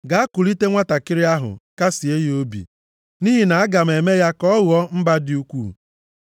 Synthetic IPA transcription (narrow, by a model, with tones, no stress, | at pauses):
ɡa˨a˦ku˨li˦te˦ŋʷa˦ta˨kɪ˦ɾɪ˦a˦ɦʊ̰˨ka˦si˨e˦jo˦bḭ˨ | ni˦ɦi˨na˨a˦ɡa˨m̩˨e˨me˦ja˦kɔ˦ɣɔ˦m̩˦ba˦dɪ˦u˦kʷu˦˨